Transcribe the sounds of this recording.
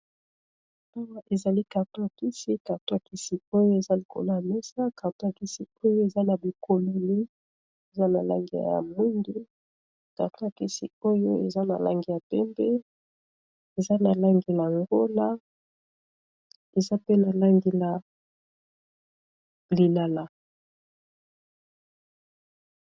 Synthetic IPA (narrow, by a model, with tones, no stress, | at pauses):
a˦wa˦ʔe˨za˨li˦ka˨ʁto˦a˨ki˦si˦ka˨ʁto˦a˨ki˦si˨o˦jo˦e˨za˦li˨ko̰˨lo˦ja˨mɛ˦sa˦ka˨ʁto˦a˨ki˦si˦o˦jo˦e˨za˦na˨bi˨kʰo˨lo˨ni˦ | e˨za˦na˨la̰˦ŋɡi˨a̰˨ja̰˨mi˦ŋdi˦ | ka˨ʁto˦a˨ki˦sḭ˨o˦jo˦ḛ˨za˦na̰˨la̰˦ŋɡi˨ja˨pɛ˦mbɛ˦ | e˨za˦na˨la˦ŋɡi˨la˨ŋɡo˦la˦ | e˨za˦pe˦na˨la˦ŋɡi˨la˨ | li˨la˨la˨